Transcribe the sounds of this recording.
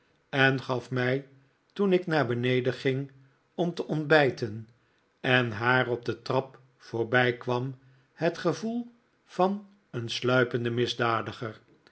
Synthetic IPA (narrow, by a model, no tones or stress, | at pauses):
ɛnχɑfmɛj | tunɪknaːɹbənejdəχɪŋ | ɔmtəʔɔndbɛjtən | ɛnɦaːrɔb̚dətrɑp | foːɹbɛjkʋɑm | hətχəvulˠ | v̥ɑn | ənslœɥpəndəmɪzdaːdəχər